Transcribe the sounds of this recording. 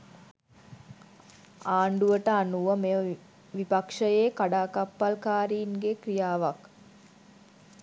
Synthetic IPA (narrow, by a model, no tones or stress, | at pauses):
aːɳɖuʋəʈəanuʋəmeə | ʋipakʂəjeːkaɖaːkapːalkaːɾiːnɡekrijaːʋak